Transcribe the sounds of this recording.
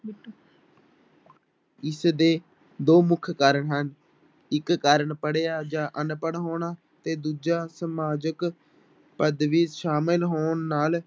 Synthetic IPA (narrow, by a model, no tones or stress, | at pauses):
ɪsd̪eː | d̪oːmʊkʰkaːɾəɳɦən | ɪkːaːɾəɳpəɽeːjaːd͡ʒãːʔənpəɽɦoːɳaː | t̪eːd̪uːd͡ʒaːsəmaːd͡ʒək | pəd̪ʋiːʃaːmɪlɦoːɳːaːl